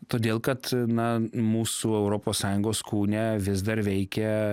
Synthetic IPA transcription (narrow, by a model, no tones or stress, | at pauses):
t̪oːd̪ʲeːlˠkɐt̪nɐmuːsuːɛʊɾoːpoːssɑːjʊŋɡoːskuːnʲɛʋʲɪzd̪ɐɾʋʲɛɪkʲɛ